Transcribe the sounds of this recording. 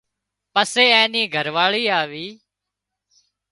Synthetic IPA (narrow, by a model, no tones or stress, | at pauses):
pəseːɛ̃ːniːɡʱəɾʋaːɭiːaːʋiː